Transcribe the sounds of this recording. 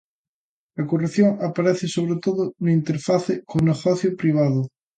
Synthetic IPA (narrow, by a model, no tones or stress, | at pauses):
ɐkoreθjoŋapaɾɛθɪsoβ̞ɾet̪oðʊnoint̪eɾfaθɪkoneɣɔθjʊpɾiβ̞aðʊ